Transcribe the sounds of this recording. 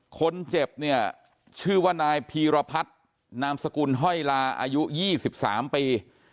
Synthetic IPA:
kʰo˧nt͡ɕe˨˩p̚ni˥˩ɐ | t͡ɕʰɯː˥˩waː˥˩naː˧jpʰiː˧ɾa˧pʰa˦˥t̪̚ | naː˧msa˧kuː˧nɦɔ˥˩jlaː˧ʔa̰ː˧ju˦˥jiː˥˩si˨˩p̚sa̰ː˩˦mpiː˧

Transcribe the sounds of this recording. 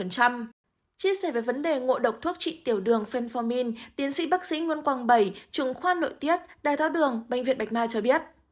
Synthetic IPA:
ə˨˩nt͡ɕa˧m | t͡ɕi˧əsɛ˧˩veː˨˩və˨˦nɗe˨˩ŋo̰˧˨ɗə˨˩wk͡p̚t̪ʰu˦˥ək̚t͡ɕḭ˧˨t̪i˧˩əwɗɨ˨˩əŋfe˧nfɔ˧mi˧nt̪i˨˦ənsḭ˧˥ɓa˦˥k̚sḭ˧˥ŋwnkwaː˧˩ŋɓə˧˩jt͡ɕɨ˨˧˩ŋxwaː˧nlo̰˧˨jt̪i˦˥ət̚ɗaː˨˩jt̪ʰaː˨˦wɗɨ˨˩əŋɓä˧˨jŋ̟vḭ˧˨nɓjk̚maː˧t͡ɕɔ˧ɓi˦˥ət̚

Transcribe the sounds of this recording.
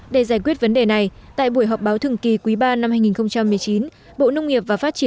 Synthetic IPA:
ɗe˧˩zaː˧˩jkwi˦˥ət̚və˨˦nɗe˨˩na˨˩jt̪a̰ː˧˨jɓu˧˩əjɦɔ˨˩wk͡p̚ɓaː˨˦wt̪ʰɨ˨˩əŋki˨˩kwi˨˦ɓaː˧na˧mhaː˧jŋi˨˩nxə˧wŋ͡mt͡ɕa˧mːɨ˨˩əjt͡ɕi˨˦n | ɓo̰˧˨nə˧wŋ͡mŋi˨˩əp̚vaː˨˩faː˦˥t̚t͡ɕi˧˩

